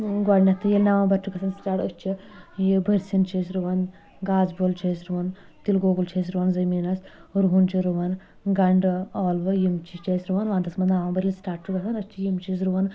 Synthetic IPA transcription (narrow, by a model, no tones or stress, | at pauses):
ɡaɽnʲɐt̪ʰːɨjelnaːʋãbɐɾt͡ʃʰuɡɐsʰɐnsʈaːʈɐt͡ʃʰijibʱɐɾʲsint͡ʃʰisɾuʋɐn | ɡaːzbolt͡ʃʰesɾuʋɐn | t̪ilɡoːɡult͡ʃʰeːs̬ɾuʋɐnzɐmiːnɐsɾuɦunt͡ʃiɾuʋɐn | ɡɐɳɖɔːlʋɨjimt͡ʃʰit͡ʃeːsɾuʋɐnʋaːnt̪ɐsmɐnnaːʋaːbɐɾʲilsʈaːʈ̚t͡ʃuɡɐsɐnɐt͡ʃʰijimt͡ʃʰis̬ɾuʋɐn